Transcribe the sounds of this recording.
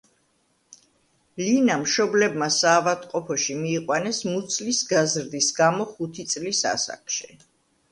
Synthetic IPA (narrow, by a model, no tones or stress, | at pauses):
linamʃɔblɛbmasaːvad̪ʼqʼɔpʰɔʃimiːqʼwanɛsmut̪sʰʼlisɡazɾd̪isɡamɔχut̪ʰit̪sʼlisa̰sa̰kʰʃi̥